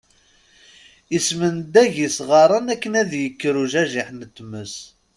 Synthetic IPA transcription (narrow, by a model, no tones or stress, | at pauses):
ismənd̪æʝisʁɑɾˤɑnækːənæðjəkːɾuʒæʒiħnət̪ːməs